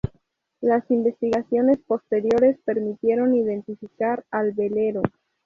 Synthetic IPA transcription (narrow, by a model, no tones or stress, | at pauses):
lasimbe̞st̪iɣasjo̞ne̞spo̞st̪e̞ɾjo̞ɾe̞spe̞ɾmit̪je̞ɾo̞niðe̞nt̪ifikaɾalβe̞le̞ɾo